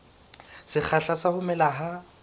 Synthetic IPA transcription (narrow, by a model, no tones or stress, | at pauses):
sɪk͡xʰaɬasahʊmɛlaɦa